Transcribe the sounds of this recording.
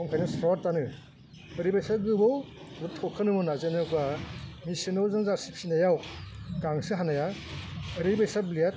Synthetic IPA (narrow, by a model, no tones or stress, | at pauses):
ɔmkʰajnɯsɾɔɾtanɯ | ɯɾibajsaɡɯbɔw | butʰɔkʰɯnɯmɯnazenɯkamisɯnɯwzɯŋzaɾsipʰinajawɡaŋsɯɦanaja | ɾibajsablijat̚